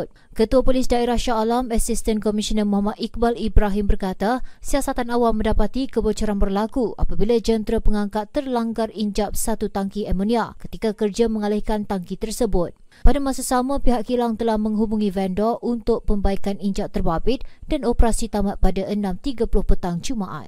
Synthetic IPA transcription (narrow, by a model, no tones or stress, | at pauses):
t̪̚ | kət̪uapolisdaeɾahʃaalamasist̪ənkomisənəmuɦamat̪ik̚balibɾaɦimbərkat̪asiasat̪anawamːə̃ndapat̪ikəbət͡ʃaɾanbərlakua̰pabilad͡ʒənt̪ɾapəŋãŋkat̪ːərlaŋɡariɲd͡ʒap̚sat̪ut̪aŋkiɛmõniakə̥t̪ikakərd͡ʒamə̃ŋalahkant̪aŋkit̪ərsəbʊt̪̚ | padamãsasamãpiɦaʔkilaŋt̪əlahmə̃ŋɦubuŋĩvɛndɔʔunt̪ʊk̚pəmbaikaniɲd͡ʒap̚t̪ərbabɪt̪̚d̥anopəɾasit̪amat̪̚padaʔənãmt̪iɡapulʊhpət̪aŋd͡ʒumaʔa̰t̪̚